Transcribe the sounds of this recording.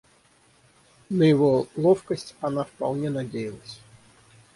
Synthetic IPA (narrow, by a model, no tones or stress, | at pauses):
nəjɪvolˠɔfkəsʲtʲanafpɐ̰lˠnʲɛnadʲejɪlˠəsʲ